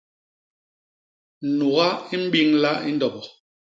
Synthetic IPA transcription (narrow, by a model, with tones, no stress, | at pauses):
n̩˨nu˨ɣa˦i˦m̩˦ɓi˦ŋla˦i˦n˦dɔ˨bɔ˨